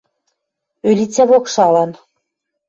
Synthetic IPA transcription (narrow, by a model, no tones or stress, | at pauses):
ølʲit͡sʲæβokʃɑlɑn